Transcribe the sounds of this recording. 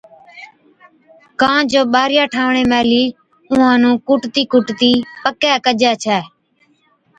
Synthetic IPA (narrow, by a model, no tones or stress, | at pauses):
kãːd͡ʒoːɓaːɾɪjaːʈʰaːʋɳeːmɛ̃ːliː | ʊ̃ãːnũːkʊʈt̪iːkʊʈt̪iːpəkɛːkəd͡ʒɛːt͡ʃʰɛː